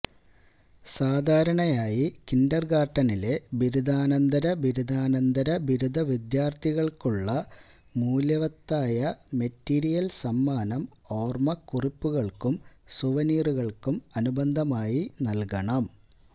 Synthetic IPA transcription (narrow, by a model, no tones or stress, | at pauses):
saːd̪ʱaːɾɐɳɐjaːjikindɐrɡaːʈːɐnile̞biɾud̪ʱaːnɐnd̪ɐɾɐbiɾud̪ʱaːnɐnd̪ɐɾɐbiɾud̪ʱɐʋid̪jaːrt̪ʰiɣɐɭkuɭːɐ | muːljɐʋɐt̪ːaːjɐme̞tːiːɾijɐlsɐmːaːnɐm | o̞ːrmɐkuripːuɣɐɭkumsuʋɐniːruɣɐɭkumɐnubɐnd̪ʱɐmaːjinɐlkɐɳɐm